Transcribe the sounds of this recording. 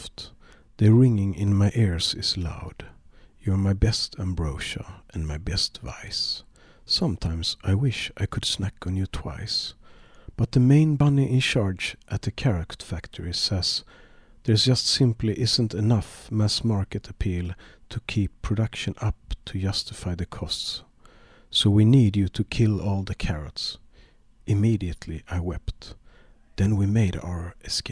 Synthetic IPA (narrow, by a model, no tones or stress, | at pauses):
ft | ðɨɹɪ̃ŋɪ̃ŋɪ̰̃nmaɪʔɪɹz̥ɪz̥la̰ʊd̥jə˞maɪbɛstʰæ̃mbɹoʊʃə̰ʔɨ̃nmaɪbɛstva̰ɪsː | ʌ̃mtʰãɪ̃msaɪwɪʃaɪkʰɨd̥snækn̩jɨtʰw̥a̰ɪs | b̥ʌt̪̚ðɨmẽɪ̃nbʌniʔɪ̃nt͡ʃɑɹd͡ʒʔɨt̪̚ðɨkʰɛɹɨktfæktʰə˞ɪsɛz̥ | ðə˞zd͡ʒʌstsɪ̃mpliʔɪzə̃ntɨnʌfmæsmɑɹkɨɾɨpʰilˠtʰɨkʰipʰːɹ̥ɨdʌkʃɨ̃nʌp̚tʰɨd͡ʒʌstɨfaɪðɨkʰɔsts | soʊwinidɨɾʰɨkʰɪlˠɔlˠðɨkʰæɹɨ̰ts | ʔɨmiɾiɨtʰˡlḭʔaɪwɛpt̪ | ðɨ̃nwimeɪɾa̰ʊə˞ɨske